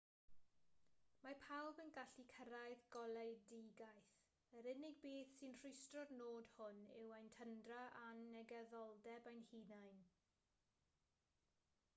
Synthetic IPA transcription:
mapʰawˠbənɡaɬikʰəɾajðɡɔlˠajdiɡajθ | əɾɪnɪɡ̚beːθsɪnr̥ʊɨstrɔdnoːd̥hʊnɪ̰wajntʰəndraʔanːɛɡɛðɔlˠdɛbajnhiːnajn

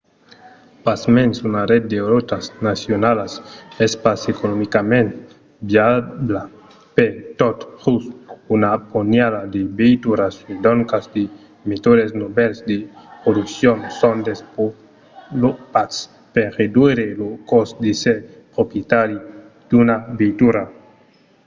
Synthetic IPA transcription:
pasmensunared̪̚d̪eɾot̪asnasjonalasespasekonomikamẽnt̪ | bjabla | pet̪ot̪χusounaponjalad̪ebeit̪uɾasid̪oŋkasd̪e | met̪oɾesnobelsd̪epɾod̪uksjonsond̪espo | lopas | peʁed̪weɾelokosd̪ise | pɾopjet̪aɾi | d̪̥unabejt̪uɾa

